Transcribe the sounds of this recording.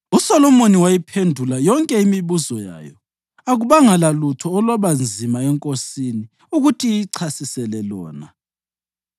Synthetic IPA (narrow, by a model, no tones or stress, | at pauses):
usɔlɔmoniwajipʰendʱulajɔŋkʼɛimiβuzɔja̰ːjɔ | aɣuβaŋalalutʰɔːlwaβand͡zʱimaɛŋkʼosini | uɣutʰiǀʰasisɛlɛlɔ̰ːna